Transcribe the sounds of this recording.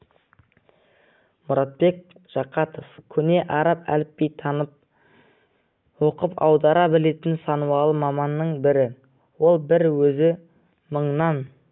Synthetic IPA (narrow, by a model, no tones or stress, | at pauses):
mʊɾɑt̪̚be̞k̚ | ʒ̥ɑqɑt̪ofkʲʰʏne̞ʔɑɾɑpæ̰lɪpːe̞jt̪ʰɑnəp̚ | wo̞qəpɑwd̪ɑɾɑbɪle̞t̪ɪnsɑnuwɑlˠəmɑmɑnːəɴbɪɾɪ | wo̞lˠbɪɾwɵzɪ | məɴnɑn